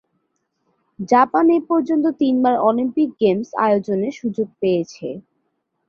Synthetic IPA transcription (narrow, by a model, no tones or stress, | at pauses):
d͡ʑapaneɾpɔɾd͡ʑont̪̬ot̪inbaɾɔlimpik̚ɡemsa̰jod͡ʑoneɾʃud͡ʑoɡ̚pejet͡ɕʰe